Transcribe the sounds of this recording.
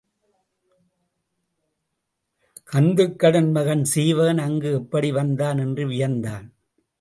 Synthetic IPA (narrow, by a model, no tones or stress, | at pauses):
kɐnd̪ɯkːɐɽɯnmɐɣɐnsiːʋɐːnɐŋɡɯɛpːɐɽiʋɐnd̪aːnɛndrɯʋɪjɐnd̪aːn